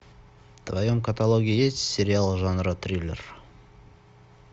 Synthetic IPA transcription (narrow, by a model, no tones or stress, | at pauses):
t̪vajoŋkɐt̪alˠoɡʲijesʲeɾʲɪalˠʒɑnɾɑt̪rʲilʲḛr